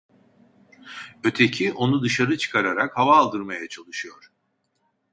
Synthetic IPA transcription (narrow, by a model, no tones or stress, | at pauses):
ø̞t̪ʰe̞cʰiʔo̞nud̪ɯʃaɾɯt͡ʃʰɯ̥kʰaɾaɾakhavaːlˠd̪ɯɾmajat͡ʃʰalˠɯʃɯjo̞ɾ̥